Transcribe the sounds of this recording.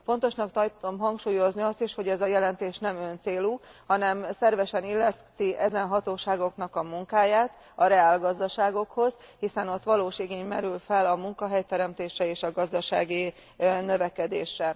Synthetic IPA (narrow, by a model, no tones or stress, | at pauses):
fo̞nt̪o̞ʃnɒkt̪ɒjt̪omɦɒŋkʃuːjo̞zniɒst̪iʃho̞ɟɛzɒjɛlɛnt̪eːʃnɛmønt̪seːluːhɒnɛmsɛrvɛʃɛnilːɛst̪iʔɛzɛnɦɒt̪oːʃaːɡo̞knɒkɒmuŋkaːjaːt̪ | ɒɾɛaːlɡɒzd̪ɒʃaːɡo̞kho̞z̥ | hisɛno̞t̪ʋɒloːʃiɡeːɲmɛɾylfɛlɒmuŋkɒɦɛjt̪ɛɾɛmt̪eːʃrɛeːʃɒɡɒzd̪ɒʃa̰ːɡi | nø̞vɛkɛd̪eːʃrɛ